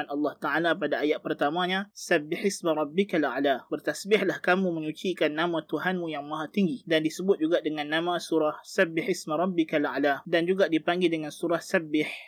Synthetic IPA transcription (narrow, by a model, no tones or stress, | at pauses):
anɑlːɑht̪aʕalapadaajat̪̚pərt̪amãɲasabɪħismaɾˤɔbːikala̰ʕlabərt̪asbɪhlahkamũməɲut͡ʃikanːamãt̪uɦanmũjaŋmaɦat̪iŋɡidandisəbʊt̪̚d͡ʒuɡaʔdəŋãnːamãsuɾahsabɪħismaɾˤɔbːikala̰ʕladand͡ʒuɡaʔdipaŋɡɪldəŋansuɾahsabɪħ